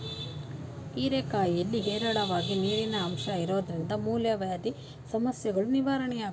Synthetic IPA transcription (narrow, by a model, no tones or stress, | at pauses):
iːɾeːkaːjelːiɦɛːɾɐɽɐʋaːɡiniːɾinɐːmʃɐiɾo̞ːd̪ɐɾind̪ɐmuːljɐʋɐjaːd̪i | sɐmɐsjɐɡɐɭuniʋaːɾɐɳɛjaːɡ